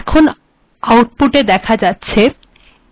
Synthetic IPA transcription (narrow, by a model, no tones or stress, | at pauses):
kʰon | awʈ̚puʈed̪ɛkʰad͡ʑatːɕʰe